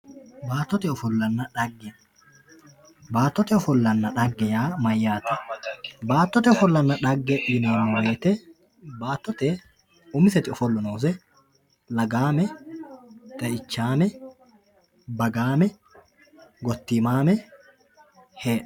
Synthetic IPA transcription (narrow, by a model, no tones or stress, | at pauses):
baːt̪ːɔt̪ɛɔfɔlːɐnːɐᶑɐɡːɛ | baːt̪ːɔt̪ɛɔfɔlːɐnːɐᶑɐɡːɛjaːmɐjːaːt̪ɛ̥baːt̪ːɔt̪ɛɔfɔlːɐnːɐᶑɐɡːɛʔɪnɐwweːt̪ɛ | baːt̪ːɔt̪ɛ | umɪsɛt̪ːɪɔfɔlːɔnoːs̬ɛ | lɐɡaːmɛ | t̪ɐʔɪt͡ʃːaːmɛ | bɐɡaːmɛ | ɡɔt̪ːimaːmɛ | heː